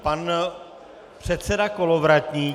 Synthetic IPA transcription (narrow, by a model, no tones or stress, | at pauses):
pan | pr̝̥ɛt̪sɛdakolovɾatɲiː